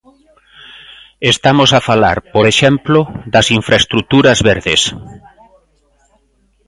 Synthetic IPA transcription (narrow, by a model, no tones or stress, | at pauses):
est̪amosafala̰ɾpoɾeʃɛmploðɐsiɱfɾaest̪ɾut̪uɾɐzβeɾðes